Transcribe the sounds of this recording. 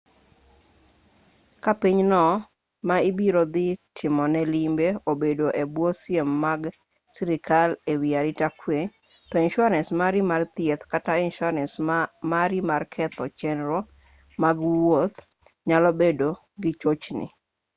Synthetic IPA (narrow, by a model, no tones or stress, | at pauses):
kapiɲnɔ | maibiɾod̪ɪtʰɪmɔnɛlimbeobedoʔebwosjemːaɡ | siɾɪkʰalewiaɾɪtakwe | tɔinʃaɾɛnsmaɾimart̪ɪet̪katainʃɔɾɛnsmaɾimarkʰɛt̪ɔt͡ʃɛnɾo | maɡwot̪ | ɲalɔbedo | ɡɪt͡ʃot͡ʃnɪ̰